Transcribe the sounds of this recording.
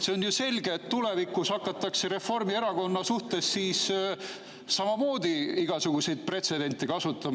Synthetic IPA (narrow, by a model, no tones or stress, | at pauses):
se̞onjuse̞lʲɡeːt̪ːule̞vikːˑusɑkːˑɑt̪ːˑɑkse̞ɾe̞fo̞rmie̞ɾɑko̞nːɑsuht̪e̞sːiːs | sɑmɑmo̞ːd̪iiɡ̥ɑsuɡ̥use̞jd̪̥̚pre̞t̪se̞d̪e̞nʲt̪ːˑikɑsut̪ːˑɑm